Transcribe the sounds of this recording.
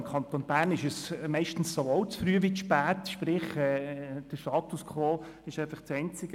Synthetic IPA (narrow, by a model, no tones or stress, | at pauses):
mkʰɑnt̪onb̥æːɾnɪʃəsmɛɪʃtn̩ssooʊt͡sfɾyːəʋiʃpæːt̪ʃpɾɪχɛːd̥əʃtɑːt̪uskʰʋoː | ɪʃɛɪfɑχt͡sɛnt͡sɪɡə